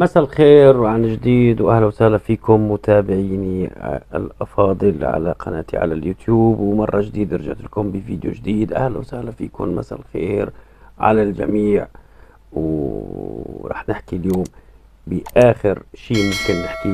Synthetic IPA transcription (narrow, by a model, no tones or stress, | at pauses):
masalxeːɾwʕanʒd̪iːd̪wʔahlwsahlafiːkʊmːʊt̪ʰaːbɪʕiːniɪ̰lʔɑfɑːd̪ˤɨlʕa̰la̰qɑna̰ːt̪ḭʕa̰laljuːt̪juːbwmɑrˤːɑʒd̪iːd̪ɾʒa̰ʕt̪ɪlkʊmbiviːd̪jo̰ʒd̪iːd̪ʔa̰hlwsahlafiːkʊnma̰sa̰lxḛːɾ | ʕa̰lald͡ʒa̰miːʕ | w | ɾˤɑ̰ːħnɪħkiljoːm | bɪʔaːxɪɾʃiːmʊmkɪnːɪħki